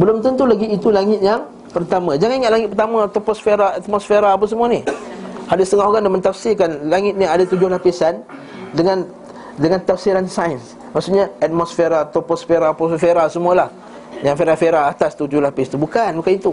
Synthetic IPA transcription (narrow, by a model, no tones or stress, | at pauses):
bəlʊmt̪ənt̪ulaɡiːt̪ulaŋɪt̪̚jaŋ | pərt̪amãd͡ʒaŋaniŋat̪ʔlaŋɪt̪̚pərt̪amãt̪ɔpɔsfeɾaat̪̚mɔsfeɾaːpas̬əmuanihadist̪əŋahɦoɡaŋdamənt̪afsɪkanlaŋɪt̪̚niadat̪ud͡ʒʊhlapisan | dəŋãn | dəŋant̪afsiɾansajns | maksuʔɲaat̪̚mɔsfeɾat̪ɔpɔsfeɾapɔsfeɾasəmualah | jaŋfeɾafeɾaat̪ast̪ud͡ʒʊhlapɪst̪ubukanbukanit̪u